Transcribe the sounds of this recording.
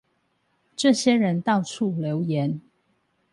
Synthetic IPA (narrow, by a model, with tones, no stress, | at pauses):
ʈ͡ʂɤ˥˨ɕjɛ˥ɻə˨˦nt̪ɑ˥˧ʊt͡sʰu˥˩ljo˨˦ʊjɛ˨˦n